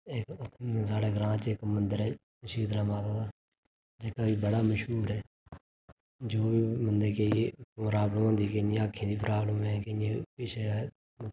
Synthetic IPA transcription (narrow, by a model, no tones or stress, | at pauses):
ekt̪ʰːsaːɽeːɡɾãːt͡ʃekmənd̪əɾɛː | ʃiːd̪naːmaːt̪aːd̪aː | d͡ʒekaːbiːbəɽaːməʃɦuːɾɦɛː | d͡ʒoːbiːmənd̪eːkeimʊɾaːbləmɦõːnd̪iːkenĩːaːkʰːẽːd̪iːpʰɾʔaːbləmɛːkeẽpɪʃʰe | m